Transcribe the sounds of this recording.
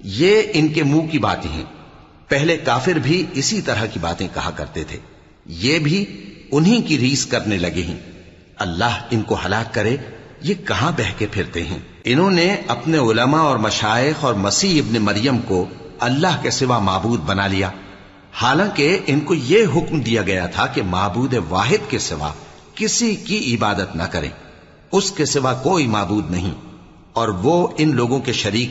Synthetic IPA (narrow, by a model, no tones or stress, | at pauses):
jeɪnkemũːkiba̰ːt̪ḛ̃ɦɛ̰̃ː | pɛɦlekaːfɪɾbʱiɪsit̪ɐɾakiba̰ːt̪ẽkɐɦakɐ̰ɾt̪et̪ʰḛː | jeːbʱiʊnɦĩkiɾiːzkɐɾnelɐɡeɦḭ̃ː | ɐlːaːɦɪnkohɐlaːkːɐɾejekɐɦãbɛɦkepʰɪɾt̪eɦɛ̰̃ː | ɪnɦõneɐpneʊləmaɔːɾmɐʃaːɪxɔːɾmɐsiːɪbnemɐɾjəmkoɐlːaɦkesɪʋamaːbuːd̪̚bɐnalijaː | haːlãkeʔɪnkojeɦʊkmd̪ijaɡɐjat̪ʰakemaːbuːd̪eʋaːɦɪd̪kesɪʋa̰ | kɪsikiʔɪbaːd̪ət̪nɐ̰kɐɾḛ̃ː | ʊskesɪʋakoːimaːbuːd̪nɐɦḭ̃ | ɔːɾʋoɪnloːɡõkeʃɐɾiːk